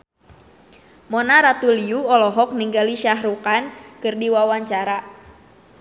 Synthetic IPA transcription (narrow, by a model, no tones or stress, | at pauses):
mɔnaɾat̪uliuɔlɔɦɔk̚niŋɡaliʃaɦɾukankɨrdiwawaɲt͡ʃaɾa